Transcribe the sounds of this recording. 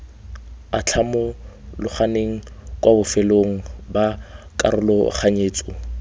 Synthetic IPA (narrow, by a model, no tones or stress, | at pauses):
at͡ɬʰamɔ | lʊχaneŋ̩kʼwʔabʊfɛloŋ̩ba | kʼa̰ɾʊlɔχaɲeːt͡sʼɔ